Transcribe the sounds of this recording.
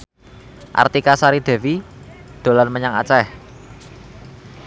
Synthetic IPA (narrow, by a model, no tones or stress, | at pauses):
ʔa̰rt̪ikasaɾid̪̥e̤wid̪̥o̤lanməɲaŋa̰t͡ʃɛh